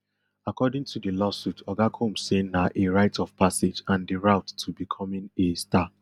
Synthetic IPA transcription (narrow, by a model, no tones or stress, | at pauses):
akɔdɪ̃ŋtʰudəlɔsutʰɔɡakʰõmsenaʔeɹaɪtɔv̥pʰased͡ʒãndəɹaʊtːʰubikʰɔmĩnesta